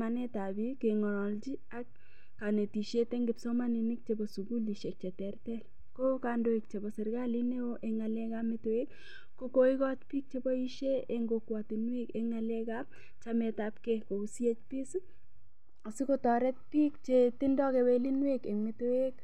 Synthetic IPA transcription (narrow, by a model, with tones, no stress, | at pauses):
a˨nɛ˦ta˨bi˦ke˨ŋɔ˨nɔ˨ld͡ʒi˦a˦kː | a˨ne˨ti˨ʃe˦te˦ŋɡɪ˨psɔ˦ma˦ni˨nɪ˦k̚t͡ʃe˦bɔ˨su˨ɡu˦li˨ʃe˨k̚t͡ʃe˨tɛ˨rtɛ˦l | ko˦ka˨ndo˦e˨k̚t͡ʃe˨bɔ˨sɛ˨ɾɡa˦li˦ne˦o˦ʔɛ˦ŋa˨lɛ˦ka˦mɪ˦to˦e˦k | kːo˦ko˦ɪ˦kɔ˦t͡ʃpi˦k̚t͡ʃe˦bɔ˦i˦ʃe˦e˦ŋɡo˨kwa˨tɪ˨nwe˦ke˦ŋa˨lɛ˦ka˦ | t͡ʃa˦mɛ˨tap̚ke˦ko˨u˦si˦e˦t͡ʃpɪ˦s | ɔ˨si˦ko˦tɔ˨ɾɛ˦t̚pi˦kt͡ʃe˦tɪ˦ndɔ˦kɛ˨we˦li˦nwe˦ke˨me˦to˦e˦k